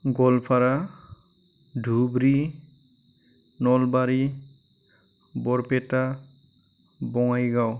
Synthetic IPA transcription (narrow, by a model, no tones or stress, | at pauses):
ɡɔlpʰaɹa | dʱubɾi | nɔlbaɹi | bɔɹpɛta | bɔŋajɡaw